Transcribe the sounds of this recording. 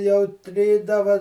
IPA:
jɛʊ ˈtʲrʲiːdɐʋɐ

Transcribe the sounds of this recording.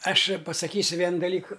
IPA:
ˈɐʃ pɐsɐˈkʲiːsʲʊ ˈʋʲiɛnʊ dɐˈlʲiːkʊ

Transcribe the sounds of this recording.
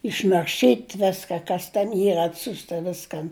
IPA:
ɪʃnɐrʲˈʃʲiːtʲ ˈʋʲæːskɐ kɐs tʲɛn ˈiːr ɐtʲˈsʲʊstɐ ˈʋʲɪskɐn

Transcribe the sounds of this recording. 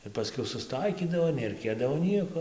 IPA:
ɪr pɐˈsʲkʲɛʊ sʊsˈtɐɪkʲiːdɐʋoː nʲɛrɐɪˈkʲeːdɐʋoː ˈnʲiɛkoː

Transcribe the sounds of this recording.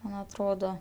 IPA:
ˈmɐn ɐtˈroːdoː

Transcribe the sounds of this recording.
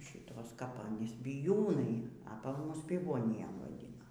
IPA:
ˈʃʲɪtoːs kɐp ɐˈnʲiːs bʲɪˈjuːnɐɪ ɐ pɐ ˈmʊs pʲɪˈʋoːnʲɪjɛm ʋɐˈdʲɪnɐ

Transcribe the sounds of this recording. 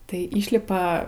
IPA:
tɐɪ ˈiːʃʲlʲɪpɐ

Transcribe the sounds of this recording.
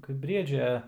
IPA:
ˈkɐɪp ˈbʲrʲiɛd͡ʒʲɛ

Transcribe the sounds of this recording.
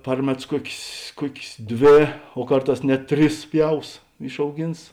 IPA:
ˈpɐr mʲɛˌtʊs ˈkuɔkʲeːs ˈkuɔkʲeːs ˈdʲʋʲeː oː ˈkɐrˌtɑːs nʲɛt ˈtʲrʲɪs ˈpʲjɛʊs ɪʃɐʊˈɡʲɪns

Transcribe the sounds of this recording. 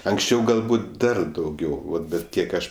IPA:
ɐŋksʲˈt͡ʃʲɛʊ ɡɐlˠˈbuːt ˈdɐr dɐʊˈɡʲɛʊ ˈʋɐt ˈbʲɛt ˈkʲiɛk ˈɐʃ

